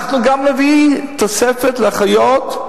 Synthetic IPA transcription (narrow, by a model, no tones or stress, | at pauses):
χnuɡamnevit̪osefetleaχajot̪